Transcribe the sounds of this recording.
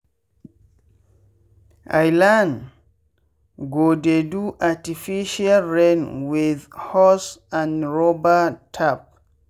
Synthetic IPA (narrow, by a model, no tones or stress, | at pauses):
ʔa̰jlãn | ɡodeduʔatifiʃalɹẽnwiðhɔsãnɹobatʰap̚